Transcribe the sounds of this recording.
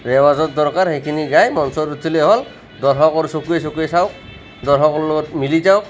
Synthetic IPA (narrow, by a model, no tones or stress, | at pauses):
ɾɛwazɔt̪̚d̪ɔɾkaɾhejkʰiniɡajmɔnsɔɾuileɦɔl | d̪ɔɾɦɔkɔɾsokuesokuesawk | d̪ɔɾɦɔkɔɾlɔɡɔtmilid͡ʒawk